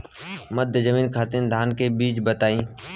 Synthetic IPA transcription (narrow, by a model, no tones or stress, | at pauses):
mɐd̪ʱjəzəmiːnkʰaːt̪ɪnd̪ʱaːnkebiːt͡ʃbət̪aːĩː